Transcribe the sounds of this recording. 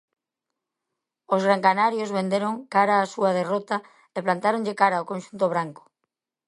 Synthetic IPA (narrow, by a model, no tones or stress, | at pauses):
ozɣɾaŋkanaɾjozβend̪eɾoŋkaɾaːsuað̞erot̪a | eplant̪aɾoŋʎekaɾaokõnʃunt̪oβ̞ɾaŋko̥